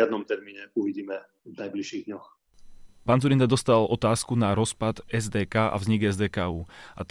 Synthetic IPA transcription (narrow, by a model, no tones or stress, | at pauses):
ad̪̚nɔmt̪ɛɾmiːɲɛuʋiɟiːmɛ | vnajbliʃiːɣd̪ɲɔx | paːnzuɾind̪ad̪ɔst̪alɔt̪aːskunaɾɔspad̪ɛzd̪ɛːkaːʔa̰vzɲiɡɛzd̪ɛːkaːuːʔa̰t̪